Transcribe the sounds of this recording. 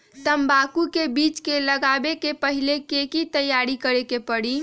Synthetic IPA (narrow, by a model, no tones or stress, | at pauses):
t̪əmbakukebiːt͡ʃkeləɡabekepəɦilekekit̪əjaɾikəɾekepəɽi